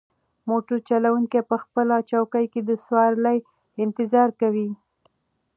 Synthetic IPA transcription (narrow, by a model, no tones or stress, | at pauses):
moʈoɾt͡ʃalawuŋkepəxpəlat͡ʃawkajked̪əswɑɾləj | ɪnt̪ɪzɑɾkawi